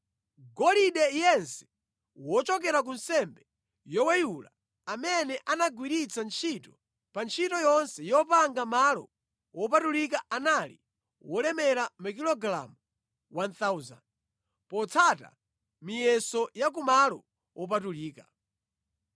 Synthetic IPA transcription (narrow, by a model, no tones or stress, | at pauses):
ɡɔliɗɛjɛnsɛ̥ | wɔt͡ʃɔkɛɾak̬unsɛmbɛ | jɔwɛjula | amɛnɛʔanaɡwiɾit͡sant͡ʃʰitɔ | pant͡ʃʰitɔjɔnsɛjɔpaŋɡamalɔ̰ | wɔpatulikaʔanalḭ | wɔlɛmɛɾamak̬ilɔɡɾa̰mu | want̪auza̰n | pɔt͡sʰata̰ | mijɛsɔjak̬umalɔ̰ | wɔp̬atuliːka